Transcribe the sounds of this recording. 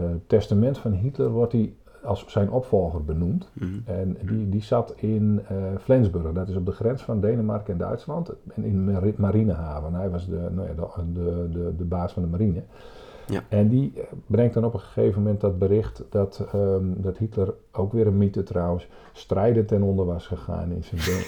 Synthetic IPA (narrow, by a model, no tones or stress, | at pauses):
tɛstamɛntfɔnɦitlərʋɔrti | ɑlˠsːɛjnʔɔpfɔlˠɣərbənumtɛndidisatʰɪnflɪnzbørɣədɔtɪsɔb̚dəxrɛnsfɔndejnəmarkəɪndœ̰ɥtslɑntɛnɪnmaɾinəɦaːvənɦɛjʋɑsənoja̰dəədədəbaːsfɔ̃ndəmaɾinə | ɛndibrɛŋktɔnɔpənxə̥xejvənmɛntdɔt̚bəɾɪxtdɔtdɔthitlər | owkʋɪəɾənmitətrɔwəns | strɛjdəntɛnɔndərʋasxəxa̰ːnɪ̰nsən